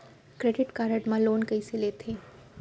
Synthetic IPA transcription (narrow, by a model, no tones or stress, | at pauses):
kɾeːɖɪʈkaːɾəʈmãloːnkɐiseleːt̪ʰeː